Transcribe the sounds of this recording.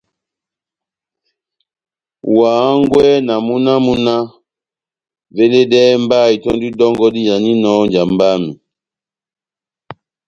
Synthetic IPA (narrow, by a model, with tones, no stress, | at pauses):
waː˨˦ŋɡwɛ˦na˨mu˦na˦mu˦na˦ | ve˦le˦dɛ˦m˦ba˦˨i˨tɔ˦ndi˦dɔ˦ŋɡɔ˦di˦ja˨ni˦nɔ˦nd͡ʒa˨mba˦mi˨